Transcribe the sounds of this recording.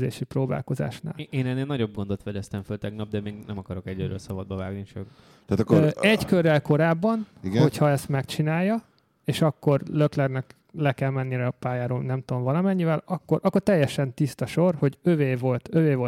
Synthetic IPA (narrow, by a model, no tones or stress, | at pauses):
zḛːʃiproːba̰ːlko̞za̰ːʃna̰ːleːnɛnːeːlnɒɟob̚ɡo̞nd̪ot̪ʋɛd̪ɛst̪ɛɱfølt̪ɛɡnɒb̚d̪ɛmeːɡnɛmɒkɒɾo̞kɛɟøɾø̰ːlsɒbɒd̪bɒvaːɡnit͡ʃø̰k | t̪aːt̪kːɛɟkørːɛlko̞ɾaːbːɒniɡo̞chɒɛst̪mɛkt͡ʃinaːjːɒ | eːʃɒkːo̞rløklɛrnɛk | lɛkɛlmɛnːiɾɛɒpaːjaːɾoːlnɛmt̪omvɒlɒmɛɲːivɛlɒkːo̞ɾʔɒkːo̞rt̪ɛjːɛʃɛnt̪ist̪ɒʃo̞rho̞ɟøveːvo̞lt̪øveːvo̞